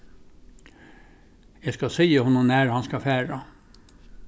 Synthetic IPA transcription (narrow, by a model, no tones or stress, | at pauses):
jɛskɑsiːəhʊnːʊmnæɾhɑnskɑfæːɹɑ